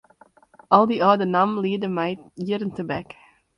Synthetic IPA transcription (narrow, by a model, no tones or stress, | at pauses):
ʔɑlˠdiɑːdənamliːdəmɛjjiɾəntəbɛk